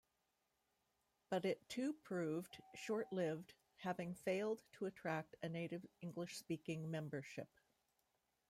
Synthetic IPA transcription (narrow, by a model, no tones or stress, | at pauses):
b̥ʌɾɪtʰʉpʰɹ̥ʉvd̥ʃɔɹʔlɪvd̥ | hævɪ̃ŋfeɪlˠdtʰəɨtʰɹ̥æk̚tɨneɪɾɨvɪ̃ŋɡlɨʃspikɪ̃ŋmɛ̃mbə˞ʃɪ̰p̚